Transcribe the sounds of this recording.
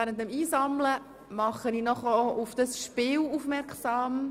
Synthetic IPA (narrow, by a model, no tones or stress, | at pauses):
æːɾənt̚əmiːsɑmlə | mɑχəninɔχəʔʊfd̥ɑsʃpɪːlufmɛɾksɑːm